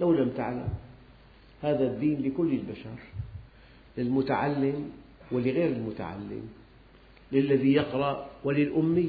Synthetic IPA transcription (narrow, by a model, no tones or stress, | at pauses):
lawlamt̪a̰ʕla̰m | haːðad̪ːiːnlɪkʊlːɪlbaʃɑɾ | lɪlmʊt̪aʕalːɪm | wɪlɪɣeːɾɪlmʊt̪a̰ʕa̰lːɪ̰m | lɪlːaðijɪqɾˤɑʔwɪlɪlʔʊmːi